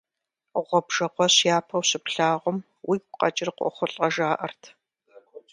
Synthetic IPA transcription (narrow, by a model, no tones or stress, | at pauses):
ʁʷɔbʒ̥ɐqʷɔɕjaːpʰɐwɕɪpɬaːʁʷʊm | wʔiːkʷʊqʼɐt͡ʃʼɪrqʷɔ̰χʷʊɬʼɐʒaːʔɐ̰rtʰ